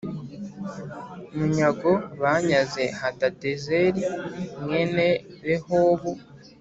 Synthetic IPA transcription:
muɲaɡoβaɲazehatatezeɾimɡeneβehoːβo

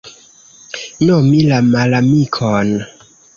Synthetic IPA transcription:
nɔmilamalamikʰɔn

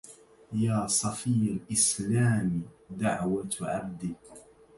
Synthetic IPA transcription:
jaːsˤɑfiːalʔɪslaːmid̪aʕwat̪ʕa̰b̚d̪i

